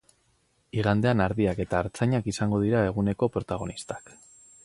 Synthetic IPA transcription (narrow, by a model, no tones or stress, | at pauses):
iɣ̞and̪e̞anaɾðiake̞t̪aːɾt͡saɲakisaŋɡo̞ð̞iɾae̞ɣ̞une̞ko̞pɾo̞t̪aɣ̞o̞nist̪ḁk